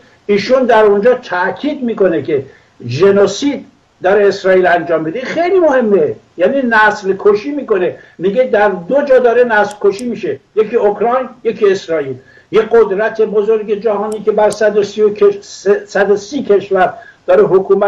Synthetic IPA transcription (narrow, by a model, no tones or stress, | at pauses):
iːʃund̪æɾond͡ʒɒːt̪ʰæʔkʰiːd̪miːko̞nekʲʰe | d͡ʒenosiːd̪̚ | d̪ɒːɾeesɾɒːiːlænd͡ʒɒːmːid̪eixejliːmohe̞mːejæːninæslkʰoʃiːmiːkonemiːɡed̪æɾd̪od͡ʒɒːd̪ɒːɾenæslkoʃiːmiːʃejekʰiːokɾɒjnje̞kʰiesɾɒːiːl | jeɡod̪ɾæt̪ʰe̞bozoɾɡe̞d͡ʒæɦɒːniːkʲʰebæɾsæd̪osioesæd̪osiːkʰe̞ʃvæɾd̪ɒːɾeɦokʰuːmæ